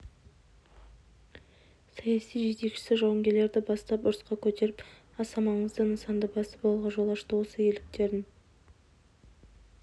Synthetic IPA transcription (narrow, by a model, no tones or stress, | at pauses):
sɑjɑsijʒe̞t̪e̞kʃɪ̥sɪʒɑwəŋɡʲe̞ɾle̞ɾd̪ɪbɑst̪ɑpʊɾəsqɑkʲʰɵt̪e̞ɾɪp | ɑsɑmɑɴəzd̪ənəsɑnd̪əbɑsəpolˠʁɑʒo̞lˠɑʃt̪əwosəjelɪk̚t̪e̞ɾɪn